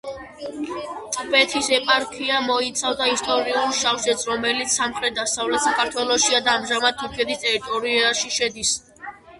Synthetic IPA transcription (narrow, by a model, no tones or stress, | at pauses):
t̪ʼbɛt̪ʰisɛpʼaɾkʰiamɔit̪sʰavd̪aist̪ʼɔɾiulˠʃaχsɛt̪sʰɾɔmɛlit̪sʰsamχɾɛt̪̚d̪asavlɛt̪sakʰaɾt̪ʰwɛlˠɔʃiad̪aːmʒamad̪̚t̪ʰuɾkʰɛt̪ʰist̪ʼɛɾit̪ʼɔɾiaʃiʃɛd̪is